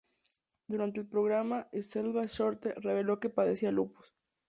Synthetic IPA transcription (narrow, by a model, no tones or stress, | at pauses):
d̪uɾant̪elpɾo̞ɣɾamaeselβaʃo̞ɾt̪ere̞β̞e̞lo̞ke̞paðesialupo̥s